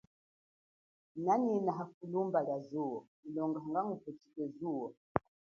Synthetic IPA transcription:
naninaɦafulumbalazuɔ | ilɔŋɡaŋɡaŋuputikɛzuwɔ

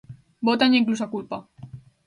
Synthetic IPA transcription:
bot̪aɲiŋklusakulpa

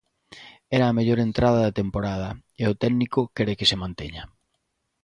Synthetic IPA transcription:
ɛɾɐːmeʎoɾent̪ɾað̞ɐðɐt̪empoɾað̞ɐeʊt̪ɛɡnikʊkɛɾekɪsemãnt̪eɲɐ

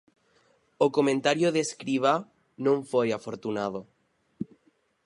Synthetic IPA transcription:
okomẽnt̪aɾjoðeskɾiβ̞a | nõɱfojafoɾt̪unað̞o

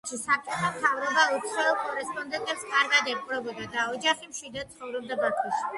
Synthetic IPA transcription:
ʃisap̚t͡ʃʼɔt̪ʰamt̪ʰavɾɔbaɔt̪sʰɛɛlkʼɔɾɛspʼɔnd̪ɛnt̪ʼɛpskʼaɾɡad̪ɛmpʼɾɔbɛb̪ad̪aɔd͡ʒaχimʃwid̪at̪sʰχɔvɾɛb̚d̪abat̪ʰɛʃi̥

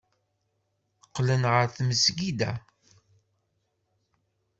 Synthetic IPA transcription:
qːlənʁəɾθməsɡid̪æ̰

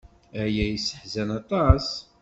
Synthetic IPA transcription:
æjæjisəħzænɑt̪ˤɑs

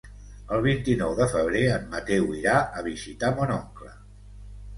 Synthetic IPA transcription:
əlˠβ̞int̪inɔwðəfəβ̞ɾeəmːət̪ɛwiɾaʔəβ̞izit̪amonɔŋklə̰

